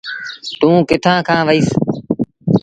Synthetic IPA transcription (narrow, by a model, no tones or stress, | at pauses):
t̪ũːkɪt̪ʰãːkʰãːʋəiːs